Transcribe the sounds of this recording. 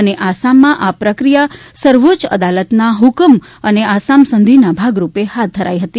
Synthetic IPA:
əneʔasamːãʔapɾəkɾijasəɾʋot͡ʃə̰d̪alət̪naɦukəm | əneasamsənd̪ʱinabʱaɡɾupehat̪̚d̪ʱəɾa̰jɦət̪i

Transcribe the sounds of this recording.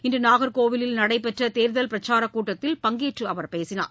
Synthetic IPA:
ɪndrɯnaːɣɐɾkoːʋɪlɪlnɐɽɐɪpɛʈrɐt̪eːɾðɐlpɪɾɐt͡ʃːaːɾɐkːuːʈːɐt̪ːɪlpɐŋɡeːʈrɯɐʋɐɾpeːsɪna̰ːɾ

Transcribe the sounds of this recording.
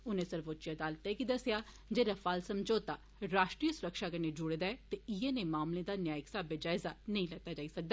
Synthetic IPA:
ʊnẽːsəɾboːt̪ːt͡ʃad̪aːlt̪ɛkid̪əsjaː | d͡ʒeːɾəfʰaːlsəmd͡ʒoːt̪aː | ɾaːʃʈɾiːəsʊɾəkʃaːkəɾned͡ʒʊɽed̪aɛːt̪eɪjenẽːmaːmlẽd̪aːnjaːɪksaːbed͡ʒaːɪzanəĩːlɐɡ̚t̪aːd͡ʒaːisək̚d̪aː

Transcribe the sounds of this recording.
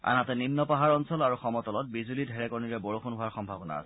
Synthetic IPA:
a̰natɛninːɔpaɦaɹɔnsɔlaɹuxɔmɔtɔlɔt̚bizulidʱɛɹɛkɔɹniɹɛbɔɹoxʰunɦʊaɹxɔmbʱabɔna̰s

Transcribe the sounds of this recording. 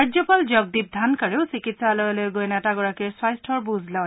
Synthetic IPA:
azɔpalzɔɡ̚dib̚d̪ʱankaɹeʊsikitsalɔjlojɡojnɛtaɡɔɹakiɹswajstʰɔɹbuzla

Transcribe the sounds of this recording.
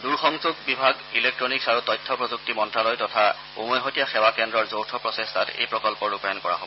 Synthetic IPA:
duɹxɔŋzubibʱaɡilek̚tɹɔniksaɹutɔjtʰːɔpɹɔzuk̚timɔntɹalojtɔtʰa | ṵmɔjɦotijaxɛwakɛndɹɔɹzowtʰɔpɹɔsestʰatḛjpɹɔkɔlpɔɹupajɔnkɔɹa̰ɦo̰b

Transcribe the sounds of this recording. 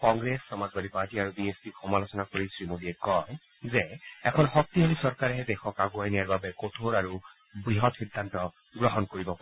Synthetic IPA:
kɔŋɡɹesːɔmazbadipaɹtiaɹubiespixɔmalosɔnakoɹisɹimodiɛkɔj | zɛɛkʰɔnxɔk̚tiɦɔlisɔɹkaɹɛɦɛdɛxɔkaɡuajnijaɹbabɛkotʰoɹaɹu | bɹiɦɔtxidʱːantɔ | ɡɹɔɦɔnkoɹibɔpa

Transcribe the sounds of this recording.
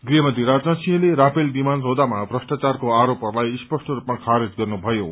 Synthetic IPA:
ɡriɦʌmʌd̪ʱiɾad͡zãsiʌ̃leɾapʰelbimanrod̪amabrʌsʈat͡sarkoaɾopʌrlajspʌsʈʌɾupmakʰaɾed͡zɡʌrnubʱʌjo

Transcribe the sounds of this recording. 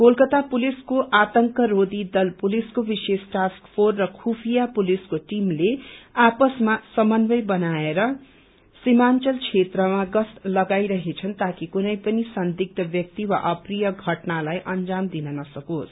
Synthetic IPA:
kolkʌt̪apuliskoʔat̪ʌŋkʌɾod̪id̪ʌlpuliskobisesʈaskpʰorːʌkʰupʰijapuliskoʈimleapʌsmasʌmʌnbʌjbʌnaeɾʌ | simant͡sʌlt͡sʰet̪rʌmaɡʌslʌɡajɾʌɦet͡sʰʌnt̪akikunʌjpʌnisʌnd̪ik̚t̪ʌbjʌk̚t̪iwa̰ʔʌprijʌɡʱʌʈnalajʔʌnd͡zamd̪inʌnʌsʌkos

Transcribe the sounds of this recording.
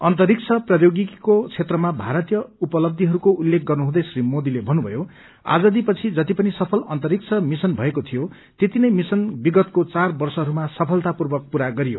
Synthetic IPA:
ʌnt̪ʌɾik̚t͡sʰʌprʌjoɡikot͡sʰet̪rʌmabʱaɾʌt̪ijʌupʌlʌb̚d̪ʱiɦʌɾukoulːek̚ɡʌrnuɦũd̪ʌjsrimod̪ilebʱʌnubʱʌ̰jo | a̰d͡zʌd̪ipʌt͡sʰid͡zʌt̪ipʌnisʌpʰʌlʌnt̪ʌɾik̚t͡sʰʌmisʌnbʱʌekot̪ʰijo | t̪et̪inʌjmisʌnbiɡʌt̪kot͡sarbʌrsʌɦʌɾumasʌpʰʌlt̪apurbʌk̚puɾaɡʌɾijo̰

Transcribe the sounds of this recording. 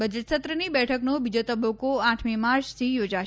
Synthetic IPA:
bəd͡ʒət̪sət̪ɾənibɛʈʰəknobid͡ʒot̪əbəkoaʈʰmimaɾt͡ʃt̪ʰijoːd͡ʒa

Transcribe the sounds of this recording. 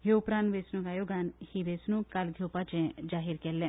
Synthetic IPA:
ɦeʊpɾãːnʋesnũːɡaːjoɡanhiʋesnũːkalɡʱoːpat͡ʃẽd͡ʒaːɦiɾkɛːlːɛ̃ː

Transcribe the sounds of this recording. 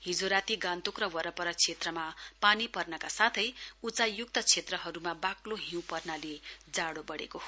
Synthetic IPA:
hid͡zoɾat̪iɡãnt̪ukrʌwʌɾʌpʌɾʌt͡sʰet̪rʌmapanipʌrnʌkasat̪ʰʌjut͡sajuk̚t̪ʌt͡sʰet̪rʌɦʌɾumabakloɦĩw̃pʌrnaled͡zaɽobʌɽḛkoɦo

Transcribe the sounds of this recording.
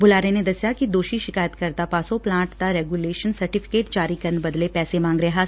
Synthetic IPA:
bʊlaːɾened̪ɐsjakid̪oːʃiʃɪkaːjət̪kɐɾt̪apaːsoplãːʈt̪aɾɛːɡuleːʃənsɐɾʈɪfʰɪ̥keːʈd͡ʒaːɾikɐɾnbɐd̪lepɛːsemãːŋɡɾɐɦa

